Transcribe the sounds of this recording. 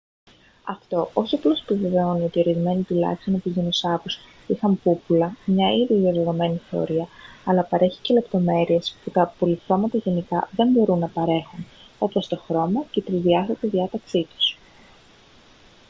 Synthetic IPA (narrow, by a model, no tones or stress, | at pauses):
ɐft̪o̞ʔo̞siɐplo̞si̥piveve̞o̞nio̞t̪io̞ɾizme̞nit̪ilɐ̰çi̥st̪o̞nopiʝinosɐkus | ixɐmpupulɐmɲɐiðiðiɐðoðo̞me̞niθe̞o̞̰ɾiɐɐlɐpɐɾe̞çi̥ce̞le̞pt̪o̞me̞ɾie̞sput̪ɐpo̞liθɾo̞mɐt̪ɐʝe̞nikɐðe̞mbo̞ɾunːɐpɐɾe̞xuno̞post̪o̞xɾo̞mɐce̞t̪ɾizðiɐθɐt̪iðiɐt̪ɐksit̪u̥s